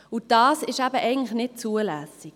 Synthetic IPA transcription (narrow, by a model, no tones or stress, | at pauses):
ud̥ɑːsɪʃæbəʔɛɪɡəŋ̩tlɪxnɪt̚t͡suəlæsik̚